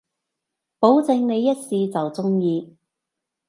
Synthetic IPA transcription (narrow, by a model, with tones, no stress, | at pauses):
po˨˥wt͡sɪ˨˧ŋne˨˧jːɐ˥t̚siː˧t͡sɐ˨wt͡sʊ˥ŋjiː˧